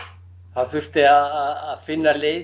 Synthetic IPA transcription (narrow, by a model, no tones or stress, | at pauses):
θaðθʏ̥t̪ɪaðaðaðfɪnːaleːj